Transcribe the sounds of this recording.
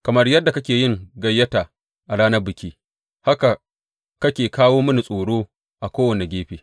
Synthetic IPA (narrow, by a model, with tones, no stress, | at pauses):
kɐ˨mɐ˦rjɐ˦dːa˨kɐ˦kʲeː˨jɪ˦ŋɡɐ˨jːɐ˦taː˨ | ʔa˨ɽaː˦nɐ˦rbɪ˨kʲiː˦ | ha˦ka˨ | kɐ˦kʲeː˨kaː˦woː˦mɐ˦ni˨sʼoː˨ɽoː˦ | ʔa˨kʷoː˦wɐ˨ne˨ɡʲeː˦ɸeː˨